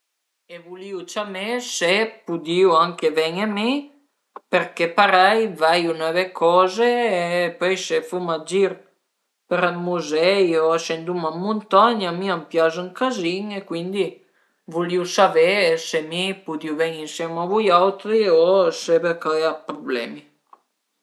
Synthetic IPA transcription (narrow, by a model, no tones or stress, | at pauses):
evuliut͡ʃamesepud̪iuaŋkevɛɲemi | peɾkepaɾajvajunɛvekʰɔːzeːpøjsefumad͡ʒiɾ | peɾamuzɛjoaʃend̪umamːunt̪aɲamiampjazuŋkaziŋekwind̪i | vuliusavesemipud̪iuvɛɲinsjɛmavujawt̪ɾiosebekajapɾoblɛ̰mi